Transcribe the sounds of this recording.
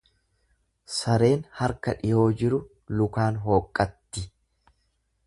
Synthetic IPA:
sɐɾe̞ːnhɐɾkɐᶑɪjo̞ːd͡ʒɪɾʊ | lʊkaːnɦo̞ːkʼːɐt̪ːɪ

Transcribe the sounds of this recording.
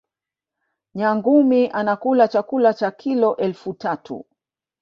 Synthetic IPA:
ɲaŋɡumiʔanakulat͡ʃakulat͡ʃakʰilɔʔɛlfutatʰṵ

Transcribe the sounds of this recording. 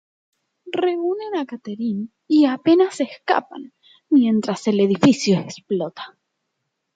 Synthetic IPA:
reunenakat̪eɾin | iape̞naseska̰pa̰n | mjẽ̞nt̪ɾase̞leðifisjoeksplot̪ḁ

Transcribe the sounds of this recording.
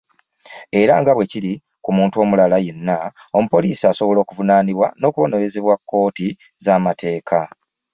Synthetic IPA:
e̞ɾaŋɡaβwe̞ciɾi | kumuːntuo̞ːmulalaje̞nːa | omupo̞liːsiaso̞βo̞lo̞ːkuvunaːniβwano̞ːkuβo̞ne̞ɾe̞zeβwakːo̞ːti | zamatʰe̞ːkʰa

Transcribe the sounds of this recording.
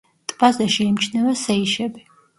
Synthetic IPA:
t̪ʼbazɛʃɛimt͡ʃʰnɛvasɛiʃɛbi

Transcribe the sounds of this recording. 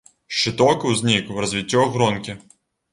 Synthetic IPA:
ʃt͡ʃɪt̪ɔkɪwzʲnʲikrɐzʲʋʲitʲːɔɔɣɾɔnkʲɪ

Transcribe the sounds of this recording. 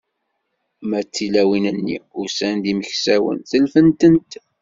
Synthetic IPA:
mæt͡sːilæwinənːḭʊsænd̪iməçsæwə̰nθəlfənt̪ənt̪

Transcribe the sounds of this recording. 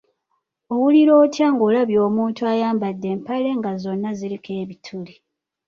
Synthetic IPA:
o̞wuliɾo̞ːtjaːŋɡo̞ːlaβjo̞ːmuːntuajaːmbadːe̞ːmpale̞ŋɡazo̞nːazilike̞ːβitʰuli

